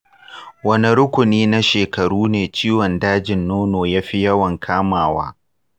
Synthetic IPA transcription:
wɐ˦ni˦ɽʊ˦kʷʊ˨niː˦na˦ʃeː˨kɐ˨ɽuː˦neː˨t͡ʃiː˦wɔ˨ndaː˦d͡ʒɪ˨nːoː˦noː˨jaː˦ɸi˦jɐ˦wɐ˨ŋkʰaː˦maː˨wa̰ː˦

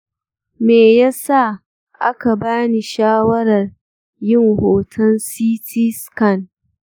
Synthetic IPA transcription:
meː˨ja˦sa˦˨ | ʔa˦ka˨baː˦ni˨ʃaː˦wɐ˦ɾɐ˨r | jɪ˦ŋhoː˨tʰɐ˦nsiː˦tʰiː˦skɐ˦˨n

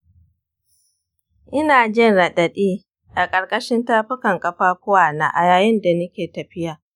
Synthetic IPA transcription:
ʔɪ˦naː˨d͡ʒɪ˦nɽɐ˨ɗɐ˨ɗiː˦ | ʔa˨kʼɐ˨ɽkʼɐ˦ʃɪ˦ntaː˦ɸɪ˦kɐ˨ŋkʼɐ˨ɸaː˦kʷʊ˦waː˨na̰ː˨ʔa˨jaː˨jɪ˦nda˨nʊ˦kʲeː˨tɐ˨ɸɪ˦jaː˨

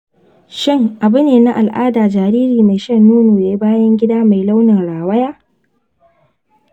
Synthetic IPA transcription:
ʃɪ˦ŋʔa˨bʊ˦neː˨na˦ʔa˨lʔaː˦daː˨d͡ʒaː˨ɾiː˦ɾiː˨ma˨jʃɐ˦nːuː˦noː˨ja˨ji˦baː˦jɐ˦ŋɡʲɪ˦daː˦ma˨jla˦wnɪ˨nɽaː˨wɐ˦jaː˦

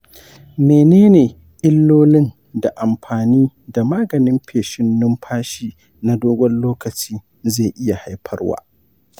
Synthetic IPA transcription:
meː˨neː˦neː˨ | ʔɪ˦lːoː˦lɪ˦n | da˨ʔa˨mɸaː˨niː˦da˨maː˦ɡɐ˨nɪ˦mɸʰeː˨ʃɪ˦nːʊ˦mɸʰaː˦ʃiː˦ | na˦doː˦ɡʷɔ˦nloː˦kɐ˨t͡ʃiː˦ | ze˦˨ʔɪ˦ja˨ha˦jɸʰɐ̰˦rwa̰ː˦

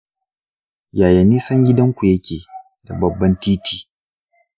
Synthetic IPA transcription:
jaː˨jɐ˨niː˦sɐ˦ŋɡʲɪ˦dɐ˦ŋkʷu˨jɐ˦kʲeː˨ | da˨bɐ˨bːɐ˦ntiː˦tʰiː˨

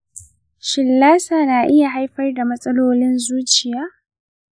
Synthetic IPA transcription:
ʃɪ˨lːaː˦saː˨naː˨ʔɪ˦ja˨ɦa˦jɸɐ˦rda˨mɐ˦sʼɐ˦loː˦lɪ˦nzuː˦t͡ʃɪ˨jaː˦

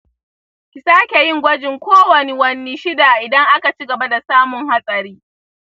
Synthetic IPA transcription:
kʲɪ˨saː˦kʲe˨jɪ˦ŋɡʷɐ˦d͡ʒɪ˨ŋkʷoː˦wɐ˨ni˦wɐ˦nːi˦ʃɪ˦da˨ʔɪ˨dɐ˦ŋʔa˦ka˨t͡ʃi˦ɡɐ˨ba˦da˨saː˦mʊ˨ŋha˦sʼɐ˨ɾiː˦

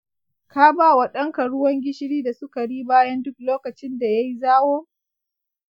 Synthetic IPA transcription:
kaː˦baː˦wɐ˨ɗɐ˦ŋka˨ɽʊ˦wɐ˦ŋɡʲɪ˦ʃɪ˦ɽiː˦da˨sʊ˦ka˨ɽiː˦baː˦jɐ˦ndʊ˦k̚loː˦kɐ˨t͡ʃɪ˦nda˨ja˦ji˦zaː˦woː˦

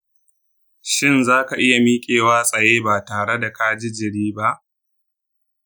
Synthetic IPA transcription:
ʃɪ˦nzaː˦ka˨ʔɪ˦ja˨miː˦kʲʼeː˨waː˦sʼɐ˨jeː˦baː˨taː˨ɽe˦da˨kaː˦d͡ʒɪ˦d͡ʒɪ˨ɽiː˦ba˦ʔ

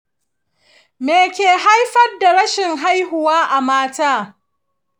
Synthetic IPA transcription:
meː˨kʲeː˨ɦa˦jɸɐ˦rda˨ɾɐ˦ʃɪ˨ŋɦa˦jhʊ˨waː˦ʔa˨maː˦taː˦

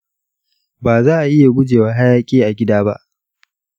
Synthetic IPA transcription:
baː˨zaː˦ʔa˨ʔɪ˦ja˨ɡʷʊ˦d͡ʒeː˨waː˦ɦa˦jaː˦kʲʼeː˦ʔa˨ɡʲɪ˦daː˦ba̰˦ʔ

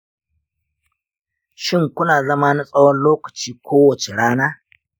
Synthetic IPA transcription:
ʃɪ˦ŋkʷʊ˦naː˨zɐ˦maː˦ni˦sʼɐ˦wɔ˦nloː˦kɐ̥˨t͡ʃiː˦kʷʰoː˦wɐ˨t͡ʃe˨ɽaː˦naː˦

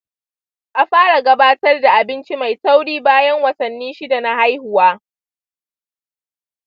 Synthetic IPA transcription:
ʔa˨ɸaː˦ɽa˨ɡɐ˦baː˦tɐ˦rda˨ʔa˨bɪ˦nt͡ʃi˦ma˨jsa˦wɽiː˦baː˦jɐ˦ŋwɐ˨sɐ˨nːiː˦ʃi˦da˨na˦ha˦jhʊ˨waː˦

